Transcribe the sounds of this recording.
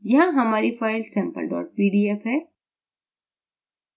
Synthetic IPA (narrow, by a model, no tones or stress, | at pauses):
jɐɦãɦɐmaːɾifaːɪlsɛ̃ːmpə̰lɖɔ̰ːʈ̚piːɖiːefɦɛː